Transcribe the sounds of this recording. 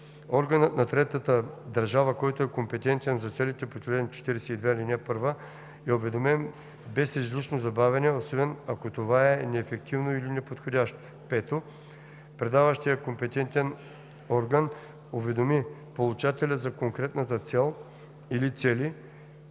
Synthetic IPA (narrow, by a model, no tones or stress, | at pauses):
ɔɾɡənət̪nɐt̪ɾɛt̪ət̪əd̪ɐɾʒavəkɔjt̪oɛkompɛt̪ɛnt̪ɛnzɐt̪sɛlit̪ɛpot͡ʃlɛd̪not͡ʃɛ̥t̪iɾɛsɛid̪vɛilʲinɛpɤɾvə | ɛovɛd̪omɛm | bɛsizlit͡ʃnozɐbavʲɛnɛosɔbɛnɐkot̪ovaɛnɛːfɛk̚t̪ʰivnoilinɛpot̪xodʲaʃt̪o̥ | pɛt̪o | pɾɛd̪avəʃt̪ijəkompɛt̪ɛnt̪ɛn | ɔɾɡən | ovɛd̪omipolˠut͡ʃat̪ɛlʲəzɐkoŋkɾɛt̪nət̪ət̪sɛlˠ | ilit̪sɛli